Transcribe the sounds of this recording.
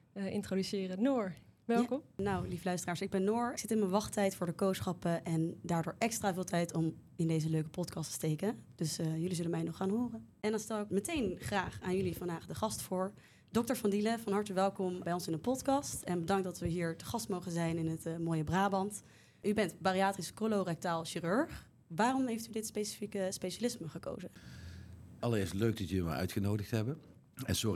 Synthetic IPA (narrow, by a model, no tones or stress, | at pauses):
ɪ̰ntrodysɪːrənoːɹʋɛlˠkɔmnawlivəlœɥstəraːɹsɪɡ̚bɛnːʊːɹsɪtɪnmənʋɑχtɛjtfʊːɹdəkowsχɑpəʔɛndaːɹdʊːɹʔɛkstraːvɪːlˠtɛjtɔmɪndejzəløɥkə̥pɔtkɑstə̥stejkəd̥ɵsjɵlizɵlənmɛjnɔχːaːnɦʊːrəʔɛndɑnstɛlˠɪkmətejnχraːχaːnjɵlivɑndaːχdəχɑstfʊːɹ | d̥ɔk̚təɹvɑndiləvɑnɦɑɹtəʋɛlˠkɔmbɛjɔnsɪndəpɔtkɑstɛnbədɑŋk̚dɑtʋəɦiːɹtəχɑstmowχənzɛjnɪnɦətmoːjəbraːbɑnt | ʔybɛntbariaːtriskolowrɛk̚taːlˠʃiːrøɹχ | ʋaːrɔmɦejftydɪtspejsi̥fikəspeʃalɪsməχəko̰wzə | ɑləɾɪːɹstløɥk̚dɑtjələma̰ʔœ̰ɥtχənowdəxtɦɛbən | ɛ̰nsʊi